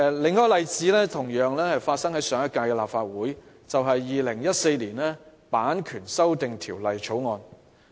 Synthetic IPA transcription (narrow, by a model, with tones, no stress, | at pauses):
lɪ˨ŋːɔː˥jlɐ˨jt͡siː˨˥lɛː˥t̪ʰʊ˨˩ŋjœː˨˧ŋlɛː˥hɐ˨jfaː˧t̚sɐ˥ŋhɐ˨˥jsœː˨˧˥ŋjɐ˥t̚kaː˧kɛː˧laː˨p̚faː˧t̚wuː˨˥j | t͡sɐ˨wɦɐ˨jːiː˨lɪ˨˩ŋjɐ˥t̚se˧jliː˨˩nlɛː˥paː˨˥nkʰyː˨˩nsɐ˥wt̪ɪ˨ŋt̪ʰiː˨˩wlɐ˨jt͡ʃʰo˨˥wŋɔː˧n